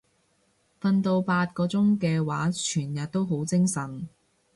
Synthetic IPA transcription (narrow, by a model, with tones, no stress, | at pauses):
fɐ˧nt̪o˧wpaː˧t̚kɔː˧t͡sʊ˥ŋkɛː˧waː˨˥t͡ʃʰyː˨˩njɐ˨t̚t̪ːo˥wɦo˨˥wt͡sɪ˥ŋsɐ˨˩n